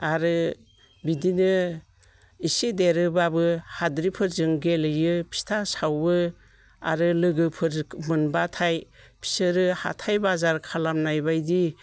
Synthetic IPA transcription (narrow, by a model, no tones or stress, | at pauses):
aɾɯ | bidinɯ | isedeɾɯbabɯhadɾipʰɯɾzɯŋɡelɯjɯpʰi̥stʰasawbɯ | a̰ɾɯlɯɡɯpʰɯɾmɯnbatʰajpʰi̥sɯɾɯha̰tʰajbazaɾkʰalamnajbajdi